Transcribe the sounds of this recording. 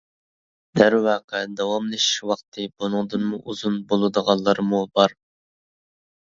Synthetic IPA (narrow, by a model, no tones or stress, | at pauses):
d̪̥æɾwɑːqʰɛd̪ɑwɑmlˠɨʃi̥ʃwɑχt̪ʰɨbunɨŋd̪ɨnmuʔuzunbolˠɨd̪əʁɑlˠːɑɾmubɑɾ